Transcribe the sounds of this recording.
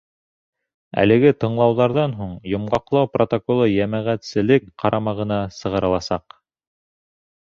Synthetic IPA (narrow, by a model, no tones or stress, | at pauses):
æ̰lɘ̆ɡɘt̪ɤ̆ɴlˠɑwðɑɾðɑnɦuɴjŏmʁɑqlˠɑwprot̪okolˠɤjæmæʁæt̪sɘ̆lɘkqɑɾʔɑmɑʁɤ̆nɑsɤ̆ʁɤ̆ɾɤ̆lˠɑsɑq